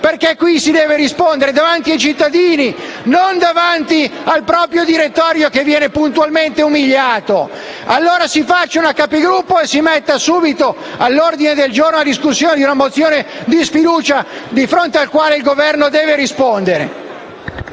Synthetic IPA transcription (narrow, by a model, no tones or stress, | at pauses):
perkekːwisid̪ɛːveɾispond̪eɾed̪avant̪iajt͡ʃit̪ːad̪iːninond̪avant̪ialpɾɔːpɾjod̪iɾet̪ːɔːɾjokevːjɛːnepunt̪ualment̪eumiʎːaːt̪o | a̰lːoːɾasifat͡ʃːaunakːapeɡɾupːoesimet̪ːasuːbit̪o | alːord̪ined̪eld͡ʒoɾnoad̪iskusːjoːned̪iunamot̪sːjoːned̪isfid̪uːt͡ʃad̪ifɾont̪ealkwaːleilɡovɛrnod̪ɛːveɾispond̪eɾḛ